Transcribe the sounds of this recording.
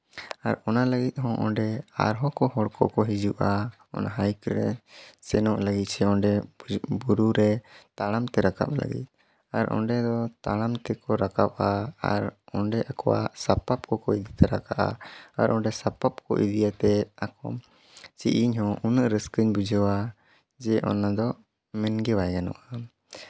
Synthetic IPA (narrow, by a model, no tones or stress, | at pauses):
aɾɔnaləɡit̪̚ˀhɔ̃ʔɔɳɖɛa̰ɾɦɔkɔɦɔɽkʰɔkɔɦid͡ʒuʔa | ɔ̰naɦajkɾɛ̰sɛnɔʔləɡit̪̚sɛɔ̃ɳɖɛbuɾuɾɛt̪aɽamt̪ɛɾaka̰p̚lə̰ɡḭt̪̚ˀ | a̰ɾɔ̰ɳɖɛd̪ɔt̪aɽamt̪ɛkɔɾakap̚aa̰ɾɔɳɖɛʔakɔwa̰sapap̚kɔkɔid̪it̪ɛɾakaʔa̰aɾʔɔɳɖɛsapap̚kɔ̰ʔḭd̪ijat̪ɛakɔ | t͡ʃḭʔiɲhɔ̃ʔunəʔɾəskəɲbud͡ʒəwa | d͡ʒɛʔɔ̰nad̪ɔ | mɛnɡɛwajɡanɔ̰ʔa